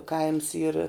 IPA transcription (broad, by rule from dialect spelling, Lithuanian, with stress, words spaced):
ˈkɐɪms iːr